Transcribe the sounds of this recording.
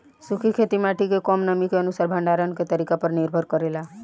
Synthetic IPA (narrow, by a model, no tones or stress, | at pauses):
sukʰikʰet̪imaʈʰikekɔmnəmikeənusaɾbʱəɳɖaɾənket̪əɾikapəɾniɾbʱəɾkəɾela